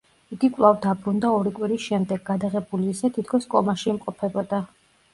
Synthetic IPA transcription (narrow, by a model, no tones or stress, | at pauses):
iɡikʼwlˠavd̪abɾund̪aɔɾikʼwiɾisʃɛmd̪ɛɡ̚ɡad̪aʁɛbuliːsɛt̪ʰit̪ʰkʰɔskʼɔ̰maʃiːmqʼɔpʰɛbɔd̪a